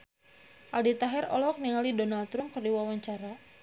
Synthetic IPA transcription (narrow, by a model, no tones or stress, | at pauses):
ʔaldit̪aɦɛɾɔ̰lɔk̚niŋalidonalt̪ɾʊmkərdiwawaɲt͡ʃaɾa